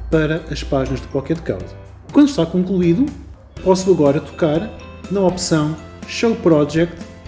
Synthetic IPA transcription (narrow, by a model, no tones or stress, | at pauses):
pɐɾɐʔɐʃpaʒinɐʒðɨkwalkɛðka̰wzɐ | kwɐ̃nd̪uʃt̪akõŋklˠuiðu | pɔsuɐɣɔɾɐt̪u̥kaɾnɐɔpsɐ̃w̃ʃɐwpɾɔʒɛk̚t̪